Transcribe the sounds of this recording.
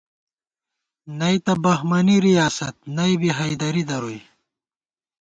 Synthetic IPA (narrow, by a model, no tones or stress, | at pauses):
nɐjt̪ɐbɐhmɐniɾijaːsɐt̪̚nɐjbiɦajd̪ɐɾid̪ɐɾoj